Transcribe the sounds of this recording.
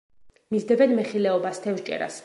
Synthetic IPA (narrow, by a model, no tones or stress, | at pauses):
mizd̪ɛbɛnmɛχilɛɔbast̪ʰɛvʃt͡ʃʼɛ̰ɾa̰s